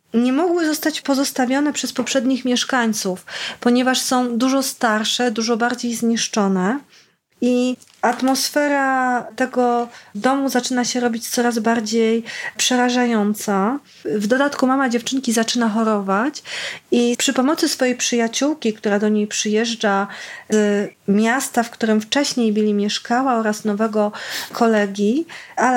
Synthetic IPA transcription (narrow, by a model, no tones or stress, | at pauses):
ɲɛmɔɡwɘzɔst̪at͡ɕpɔzɔst̪avʲjɔnɛpʂɛspɔpʂɛd̪ɲixmʲjɛʂkaɲt̪sufpɔɲɛvaʂsɔ̃w̃d̪uʐɔst̪aɾʂɛd̪uʐɔbaɾd͡ʑejzɲiʂt͡ʂɔnɛ | i | at̪mɔsfɛɾat̪ɛɡɔd̪ɔmuzat͡ʂɘnaɕɛɾɔbʲit͡ɕt̪sɔɾazbaɾd͡ʑejpʂɛɾaʐajɔnt̪sa | vd̪ɔd̪at̪kumamad͡ʑɛft͡ʂɘŋkʲizat͡ʂɘnaxɔɾɔvat͡ɕipʂɘpɔmɔt̪sɘsfɔjejpʂɘjat͡ɕuwkʲikt̪uɾad̪ɔɲejpʂɘjɛʐd͡ʐa | mʲjast̪afkt̪uɾɘmft͡ʂɛɕɲejbɘlʲimʲjɛʂkawaɔɾasnɔvɛɡɔkʰɔlɛɡʲjial